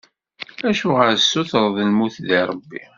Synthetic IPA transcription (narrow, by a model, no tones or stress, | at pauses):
æʃʊʁəɾsːʊθəɾˤðˤəlmuθðiɾˤəbːḭ